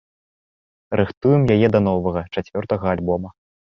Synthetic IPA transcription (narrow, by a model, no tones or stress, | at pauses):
rʔɨxt̪ujɛmjajɛd̪ɐn̪ɔvɐɣɐt͡ʂat͡sʲvʲɔrt̪ɐɣɐalʲbɔmɐ